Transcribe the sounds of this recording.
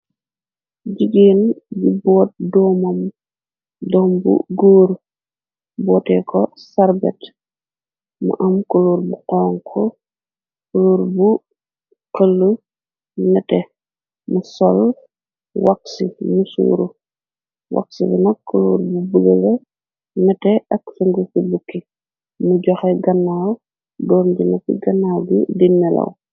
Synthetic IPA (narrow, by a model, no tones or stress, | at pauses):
ɟiɡiːnbibɔːt̚dɔmɐm | dɔmbṵɡoːɾ | bɔːtɛkʰɔsaɾbɛ̰t | mṵʔɐmkuluːɾbuqɔːŋkʰɔ | kuluɾbu | qɐlːu | nɐtɛ | musɔl | wak̚simusṵːɾu | wa̰k̚sibinɐkːuluɾbubəɡəlɛ | nɐtɛʔɐksɐŋɡufibukːi | muɟɔxɛɡɐnːaw | dɔːmɟinɐfḭɡɐnːawɡudinːɛlɐ̰w